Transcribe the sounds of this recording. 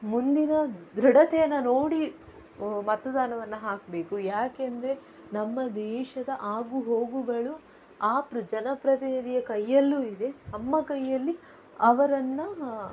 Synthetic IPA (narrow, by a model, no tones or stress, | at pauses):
mund̪inɐd̪ɾɐɽɐt̪ɛjɐnːɐnoːɽi | mɐt̪ːɐd̪aːnɐʋɐnːɐɦaːk̚be̞ːkujaːkeɐnd̪ɐɾe | nɐmːɐd̪ɛːʃɐd̪ɐʔaːɡuɦo̞ːɡuɡɐɭu | aːpɾud͡ʒɐnɐpɾɐt̪inid̪ijɐkɐjːɐlːuːid̪e̞nɐmːɐkɐjːɐlːi | ɐʋɐɾɐnːɐ